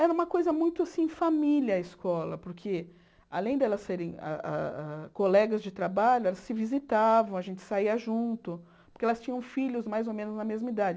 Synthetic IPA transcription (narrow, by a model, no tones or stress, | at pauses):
ɛɾɐũmɐkojzɐmũj̃t̪ʊasĩẽfamiliɐːɪskɔlɐpoɾkʰe | alẽj̃d̪ɛlɐsːeɾẽj̃a̰a̰kolɛɡɐzd͡ʒɪt̪ɾabaʎʊɛlɐsːɪvizit̪avɐ̃w̃ɐʒẽnt͡ʃɪ̥saiɐʒũnt̪ʊ | poɾkeɛlɐst͡ʃĩɲɐ̃w̃fiʎʊzmajzomẽnʊznɐmezmɐid̪ad͡ʒɪ